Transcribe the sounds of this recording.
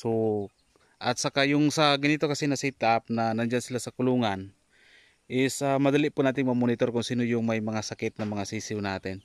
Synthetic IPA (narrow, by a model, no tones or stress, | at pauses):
so | ʔɐt̪̚sakajʊŋsɐɡɪnit̪okɐsinɐsit̪ap̚nanand͡ʒansɪlasɐkʊluŋan | ʔɪsamɐd̪aliʔpʊnaːt̪ɪŋmɐmonɪt̪oɾkʊŋsiːnojʊŋmajmɐŋasɐkɪt̪̚nɐmɐŋasiːsɪwnaːt̪ɪn